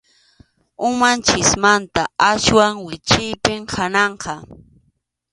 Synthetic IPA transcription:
ʊmant͡ʃɪsmant̪aaʃwaŋwɪt͡ʃɪjpɪmkʰanɑɴqɑ

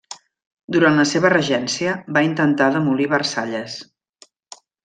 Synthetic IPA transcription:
d̪uɾantləseβ̞ərəʒɛnsiəbaint̪ənt̪aðəmuliβərsaʎəs

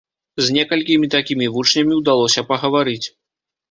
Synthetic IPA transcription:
zʲnʲɛkɐlʲkʲimʲit̪akʲimʲivut͡ʂnʲɐmʲiwd̪alˠɔsʲɐpɐɣɐvaɾɨt͡sʲ

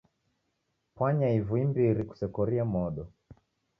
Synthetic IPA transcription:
pwaɲaivuimbiɾiku̥sɛkɔɾiamɔɗɔ

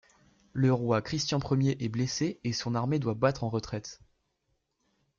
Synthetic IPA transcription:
ləʁwakχist̪jɛ̃pχəmjeʔɛbleseesɔ̃naʁmed̪wabat̪χɑ̃ʁət̪χɛt̪

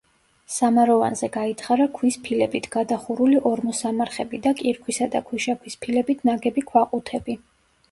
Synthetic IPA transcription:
samaɾɔva̰nzɛɡait̪ʰχaɾakʰwispʰilɛbit̪ʰɡ̥ad̪aχuɾuliʔɔɾmɔsamaɾχɛbid̪akʼiɾkʰwisad̪a̰kʰwiʃakʰwispʰilɛbit̪ʰnaɡɛbikʰwaqʼut̪ʰɛbi

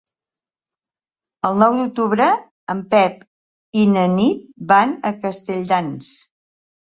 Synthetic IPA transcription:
əlˠnɔwd̪uk̚t̪uβɾə | əmpɛp | inənit̪̚banəkəst̪əʎd̪ans

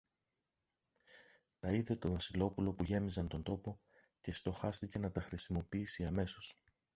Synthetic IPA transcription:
t̪ɐiðe̞t̪o̞vɐsilo̞pulo̞puʝe̞mizɐnt̪o̞nd̪o̞po̞ | ce̞st̪o̞xɐst̪ice̞nɐt̪ɐxɾisimo̞piisiɐme̞so̞s

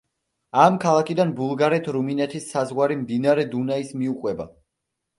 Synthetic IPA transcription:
amkʰalˠakʰid̪anbulˠɡaɾɛt̪ʰɾuminɛt̪ʰisːazʁwaɾimd̪inaɾɛd̪unaismiuqʼwɛba̰

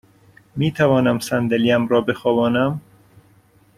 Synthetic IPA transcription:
miːt̪ʰævɒːnæmsænd̪eliːæmɾɒːbexɒːvɒːnæm

